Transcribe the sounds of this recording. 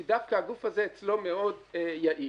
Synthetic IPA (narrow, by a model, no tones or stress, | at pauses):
id̪afkaaɡufhaze̞et͡slo̞me̞o̞dejaʔi